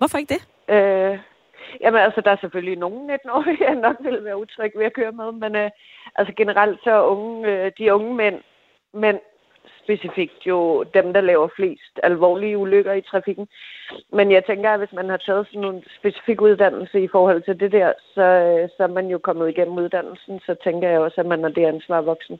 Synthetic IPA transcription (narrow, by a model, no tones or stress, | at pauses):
ʋɒfɒeɡ̥̚d̥e | ø | jʔæmənælsəd̥ɑ̈æɐsefølino̝ːn̩ne̝d̥n̩ɒ̰ænɒ̽ɡ̥ʋe̝lʋæːɐut͡sʰʁœɡ̥ʋeækʰøːɐmeð̞ˠmenø | ʔælsəɡ̥e̝nəʁɑl̰d̥sɒ̽ɔ̽ŋəød̥iɔ̽ŋəmen̰ | men | sb̥e̝sifiɡ̥̚d̥jo̝d̥emd̥ɑ̈lɛːʊɐfle̝̰ːsd̥ælʋɒ̰ːliəuløɡ̥ɐit͡sʰʁɑ̈fiɡ̥n̩menjɑ̈ɪt͡sʰeŋɡ̥ɐæʋe̝smænhɑ̈t͡sʰɛːð̞̩ˠsɒ̽nːo̝ːnsb̥e̝si̥fiɡ̥uð̞ˠd̥æn̰l̩səifɒːhɒ̽l̰t͡sʰe̝ld̥e̝d̥ɛɐ̰sɒ̽sɒ̽æɐmænjo̝kʰɒ̽mð̩ˠiɡ̥em̰m̩uð̞ˠd̥æn̰l̩sn̩sɒ̽t͡sʰeŋɡ̥ɐjɑ̈ɪɒ̽sæmænhɑd̥e̝ænsʋɑ̰̈ːʋɒ̽ɡ̥sn̩